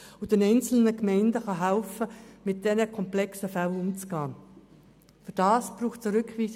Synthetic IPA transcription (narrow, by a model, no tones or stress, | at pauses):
ʊd̥ɛnɛɪnt͡sl̩nəkmɛɪndəχɑɦɛlfəmɪt̚d̥ɛnəkʰɔmplɛksəfælʊmt͡sɡ̥ɑː | fyɾd̥ɑːsb̥ɾuːχtt͡səɾʏkʋiːs